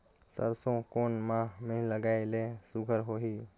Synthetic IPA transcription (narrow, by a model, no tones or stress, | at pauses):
sə̰ɾsõkoːnmãmẽɦləɡaːelesʊɡʱəɾɦoːɦiː